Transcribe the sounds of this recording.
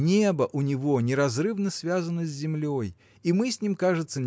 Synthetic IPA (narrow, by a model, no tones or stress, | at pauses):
nʲebəʔʊnʲɪvonʲɪɾɐzrɨvnəsʲvʲazənəzʲzʲɪmlʲoj | imɨsʲnʲimkaʐɨt̪sːə